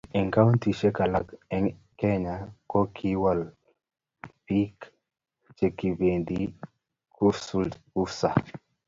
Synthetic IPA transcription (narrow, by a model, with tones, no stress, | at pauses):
ɛ˨ŋka˦wnti˨ʃe˦ka˨la˨kɛ˦ŋ | kɛ˦ɲa˨kɔ˦kʰi˦wa˨l | pi˦k | t͡ʃe˨ki˨be˨ndi˦ | ku˦su˦ltu˦sa̰˨